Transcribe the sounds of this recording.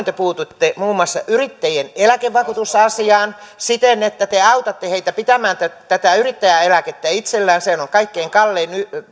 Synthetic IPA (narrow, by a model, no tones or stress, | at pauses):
nt̪epuːt̪ut̪ːemuːmːŭɑsːɑʔyrit̪ːæjenelækeʋʋɑkut̪usɑsiɑːnsit̪enet̪ːæt̪eɑut̪ɑt̪ːeheit̪æpit̪æmæːnt̪æt̪æt̪æyrit̪ːæjæelæket̪ːæit̪selːæːnseænoŋkɑikːeːŋkɑlːeːny